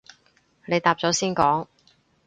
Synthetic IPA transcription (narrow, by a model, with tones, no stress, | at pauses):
ne˨˧jt̪aː˧p̚t͡sɔː˨˥siː˥nkɔː˨˥ŋ